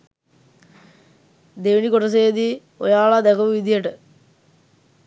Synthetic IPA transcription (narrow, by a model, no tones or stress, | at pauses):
d̪eːʋinikoʈɐs̬eːd̪i | ojaːɭad̪ɐkɐʋuʋid̪ijeʈɨ